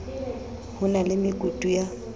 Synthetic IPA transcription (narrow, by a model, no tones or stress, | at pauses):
hʊnalɪmɪkʼutʼuja